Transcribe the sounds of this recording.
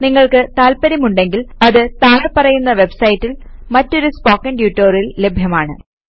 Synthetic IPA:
niŋːɐɭkɨt̪aːlpɐɾimuɳɖe̞ŋɡilɐðɨt̪aːɳɐpːɐrɐjunːɐʋe̞bsɐjitːilmɐtːo̞ɾuspoːkːɐɳɖjuːʈːoːrilːe̞bʱjɐmaːɳɨ

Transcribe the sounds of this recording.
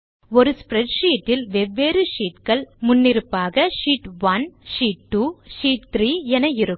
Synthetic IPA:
ɔɾɯspɾɛʈʂiːʈːɪlʋɛʋːeːɾɯʂiːʈkɐɭmʊnːɪɾɯpːaːɣɐʂiːʈʋɐnʂiːʈ̚ʈːuːʂiːʈ̚t̪ɾiːɛnɐjɪɾɯ

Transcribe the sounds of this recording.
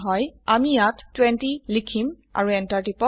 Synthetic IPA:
ɦɔjamijatːwɛntilikʰim | a̰ɹuɛntaɹtipɔ

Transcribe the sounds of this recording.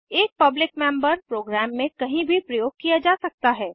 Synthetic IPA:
eːk̚pɐblɪkmɛ̃mbəɾpɾoːɡɾæːmːẽkɐɦĩbʱipɾɐjoːɡ̚kijad͡ʒaːsɐk̚t̪aɦɛː

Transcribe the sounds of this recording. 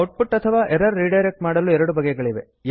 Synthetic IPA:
oʈ̚puʈːɐt̪ʰɐʋaːʔeɾɐɾːiːɖɐjɾek̚ʈmaːɽɐlːuɛɾɐɽubɐɡɛɡɐɭiʋe

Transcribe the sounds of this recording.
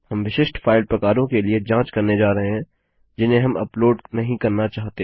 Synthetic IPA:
hɐmʋɪʃɪʃʈfʰaːɪlpɾɐkaːɾõkelied͡ʒãːt͡ʃkɐɾned͡ʒaːɾɐɦeɦɛ̃ | d͡ʒɪnɦẽɦɐmɐ̰ploːɖnɐɦĩkɐɾnat͡ʃaːɦt̪e

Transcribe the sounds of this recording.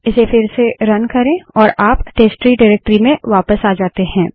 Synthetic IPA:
ɪsefʰɪɾseɾɐnkɐɾẽɔːɾaːpʈeːsʈɾiɖaɾɛːk̚ʈɾimẽʋaːpəsaːd͡ʒaːt̪eɦɛ̃ː

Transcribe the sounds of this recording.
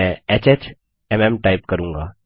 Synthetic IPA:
ɛ̃eːt͡ʃeːt͡ʃ | ɛmɛmʈaːɪpkəɾũːŋɡa̰ː

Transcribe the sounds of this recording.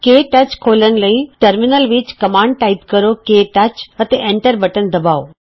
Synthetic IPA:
keːʈət͡ʃkʰoːlənləĩʈəɾmɪnəlʋit͡ʃkəmãːɳɖ̚ʈaɪpkəɾokeːʈɐt͡ʃət̪eʔẽɳʈəɾbəʈənd̪ɐbaːo

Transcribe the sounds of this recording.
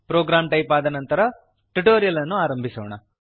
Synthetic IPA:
pɾoːɡɾaːmʈɐjpaːd̪ɐnɐnt̪ɐɾɐ | ʈuʈoːɾijɐlɐnːuaːɾɐmbʱisɐːʋɐɳɐ

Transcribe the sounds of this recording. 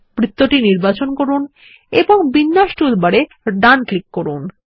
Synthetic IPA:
pɾit̪ːoʈiniɾbat͡ɕonkoɾun | ḛboŋbinːaʃʈuulbaɽe | ɖanklikːoɾun

